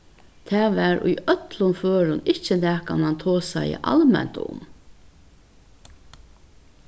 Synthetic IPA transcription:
t̪ʰæːʋæɾṵjœt̪lʊnføːɾʊnɪt͡ʃənæːkʰanant̪ʰoːsajə̰ʔa̰lmɛ̰n̥t̪ʊ̰m

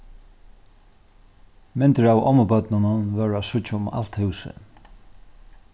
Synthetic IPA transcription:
mɪnt̪əɹaːwɔ̰məbœt̪nʊnʊnʋœɹasʊt͡ʃːaʊma̰l̥t̪hʉwsə̰

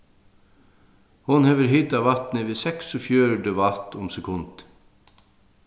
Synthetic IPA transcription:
hʊnhɛːʋəɾɦɪt̪aʋɑt̪nəʋɪːsɛksɔfjøːɾəɖɛʋɑt̪ʊmsɛkʰʊnt̪

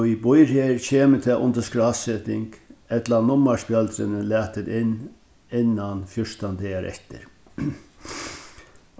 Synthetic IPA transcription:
ibʊjɾheːɾcʰeːmət̪ʰɛʔʊ̰nt̪əskɾasɛt̪ɪŋkɛt̪lanʊmːaspjœlt̪ɾɪnəlæːt̪ɪd̪ɪnː | ɪnːanfjʊʂt̪and̪eːaɾʔɛ̰ht̪ɪ̰ɾ

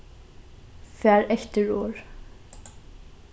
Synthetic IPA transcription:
fæːɹʔɛçt̪əɹoːɹ

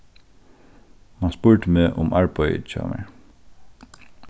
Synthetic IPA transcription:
mɑnspʉːɹʈəmeːʔʊmʔɑɹpɔʏt͡ʃɑ̰ːmə̰ɹ

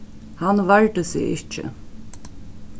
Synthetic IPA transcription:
hanːvaɹʈ̪əsɪ̰ɣɪ̰ht͡ʃɪ̰

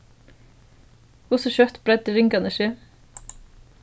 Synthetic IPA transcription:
kʊsoʃœt̪b̥ɾɛd̪əɾɪŋɡɑnəʃeː

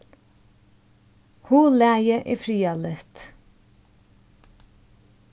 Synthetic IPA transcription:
huːlæːjəʔḭfɾiːalɪht̪

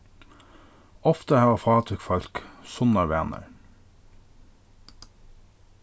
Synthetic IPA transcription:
ɔft̪əhɑːʋɑfɑːt̪ʰʏkfɑʎksʊnɑɹʋeːnə̰ɹ

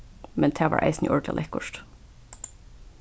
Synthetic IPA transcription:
mɛnt̪ʰæːʋa̰ːɹʔa̰ɪsnɪ̰ʔɔɹɡ̪la̰lʔɛhkʊʂt̪

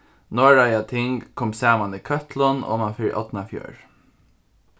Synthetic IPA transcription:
nɔːɹɑɪɑt̪ʰɪŋɡkʰɔmsæːmɑniːkʰœt̪ʰlɔno̰ːmɑnfɪɾ̰ʔɔ̰t̪n̩ɑfjø̰ːɹ

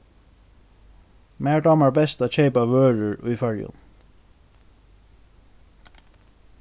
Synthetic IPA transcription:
mæːɖɑməɹbɛst̪ɑːc͡çeɪpɑʋøːɹəɹʉːfæɹʊ̰n

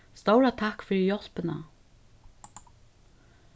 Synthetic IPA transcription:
st̪owɾat̪ʰakfʏːɾɪjɔl̥pɪna

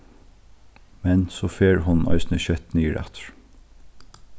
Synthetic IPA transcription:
mɛnsoːfeːɹhʊnʔœ̰ɪsn̩əçœt̪niːəɹʔæ̰t̪ʰə̥ɹ

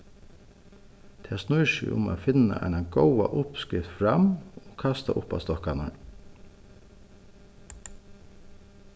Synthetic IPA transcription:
t̪ʰɛːsnʊjʃɪ̰ʔʊ̰ma̰ðfɪna̰ʔɛ̰jnaɡɔwaʔʊpskɪft̪fɾamɔkʰast̪aʔʊpast̪ɔhkanaɹ

